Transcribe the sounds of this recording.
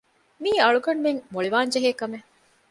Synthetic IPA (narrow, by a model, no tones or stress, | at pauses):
miːɐɭukɐɳumeŋmoɭiʋaːnd͡ʒeɦeːkɐme